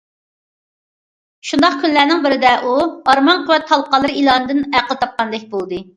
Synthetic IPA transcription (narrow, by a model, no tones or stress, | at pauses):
ʃund̪ɑqkʲʰynlæɾnɪŋbɪɾɪd̪ɛʔuɑɾmɑnqʰʊwɛt̪ʰːɑlˠqɑlˠɨɾilˠɑnɨd̪ɨnæqəlˠɨt̪ʰɑp̚qɑnd̪ɛk̚ʲbolˠd̪ɨ